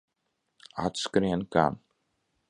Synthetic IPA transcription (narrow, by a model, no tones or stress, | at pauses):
a̰t̪skɾɛnka̰m